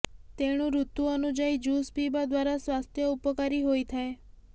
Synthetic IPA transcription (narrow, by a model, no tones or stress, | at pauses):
t̪eɽ̃ũɾut̪uənud͡ʒaid͡ʒuspibad̪ʋaɾasʋast̪ʰjəupəkaɾiɦojt̪ʰae